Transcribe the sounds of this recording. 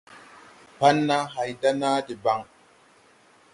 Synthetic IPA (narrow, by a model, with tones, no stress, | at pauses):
pa˦nːa˦ɦa˨jda˦na˦di˨ba˦ŋ